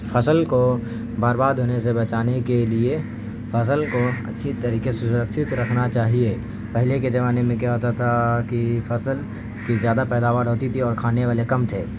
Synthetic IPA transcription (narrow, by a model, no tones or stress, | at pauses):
fʰɐsəlko | baːɾbaːd̪ʱɦoːnesebɐt͡ʃaːnekelie | fɐs̬əlkoɐ̰tːʃʰit̪ɐɾiːkesʊsʊɾəkʃɪt̪ɾɐkʰnat͡ʃaːɦie | pɐɦleked͡ʒɐʋaːnemẽkɛaɦot̪at̪ʰakifɐsəl | kizjaːd̪apɛːd̪aːʋaːɾɦoːt̪it̪ʰiɔːɾkʰaːneʋaːlekɐmt̪ʰeː